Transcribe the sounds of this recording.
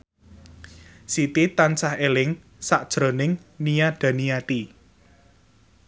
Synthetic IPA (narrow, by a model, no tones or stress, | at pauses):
sit̪it̪ant͡ʃahelɪŋ | saʔd̥ʒ̥ɾo̤nɪŋnijad̪̥a̤nijat̪i